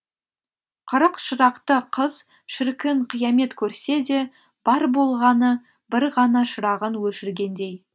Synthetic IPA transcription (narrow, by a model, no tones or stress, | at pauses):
qʰʊɾəqʃəɾɑqt̪əqʰəz | ʃɪɾkʲɪɴqʰijɑme̞t̪kʲʰɵɾse̞d̪e̞ | b̥ɑɾbo̞lˠʁɑnə | bɪɾʁɑnɑʃəɾɑʁənwɵʃɪɾɡʲe̞nd̪e̞j